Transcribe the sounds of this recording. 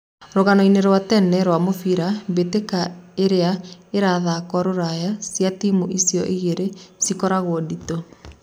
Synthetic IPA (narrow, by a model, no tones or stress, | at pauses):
ɾoɣanɔineɾwatɛnɛɾwamofiɾabetekaeɾeaeɾaðakɔɾoɾajasjatimuʔisjɔʔiɣeɾesikɔɾaɣodito